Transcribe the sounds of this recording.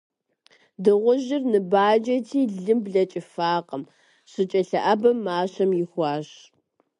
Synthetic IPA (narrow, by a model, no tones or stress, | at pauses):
dɨʁʷʊʒɪrnɨbaːd͡ʒɐtʰiːɮɨmbɮɐt͡ʃʼɪfaːqəm | ɕɨt͡ʃʼɐɬɐʔɐbɐmːaːɕɐmjɪxʷɑːɕ